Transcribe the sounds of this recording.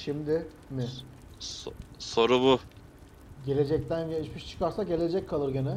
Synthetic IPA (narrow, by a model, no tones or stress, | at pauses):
ʃimd̪ɪ | mɪ | so̞ɾubu | ɟe̞lʲe̞d͡ʒɛc̚t̪ʰænjeʃmiʃt͡ʃʰɯ̥kʰaɾsaɟe̞lʲe̞d͡ʒɛcʰːalˠɯɾɟenɛ